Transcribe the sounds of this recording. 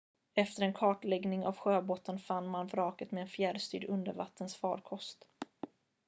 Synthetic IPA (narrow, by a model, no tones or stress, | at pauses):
ɛft̪əɾɛnkʰɑːʈlɛɡnɪŋa̰vɧøːboːt̪ːənfanːmanvɾɑːkət̪mɛɛnfjæɖst̪y̰ːɖɵnd̪ə̰ɾva̰t̪ːənsfɑːɾkʰɔst̪